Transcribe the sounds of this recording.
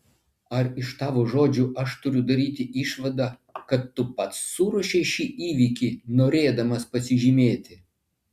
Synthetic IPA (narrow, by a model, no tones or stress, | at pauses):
ɐɾɪʃt̪ɑːʋoːʒoːd͡ʒʲuʔɐʃt̪ʊɾʲʊd̪ɐɾʲiːt̪ʲɪʔiːʃʋɐd̪ɑkɐt̪ːʊpɐt̪sːuːɾɔʃʲɛɪʃʲiːʔiːʋʲiːkʲiːnoːɾʲeːd̪ɐmɐspɐsʲɪʒʲimʲeːt̪ʲɪ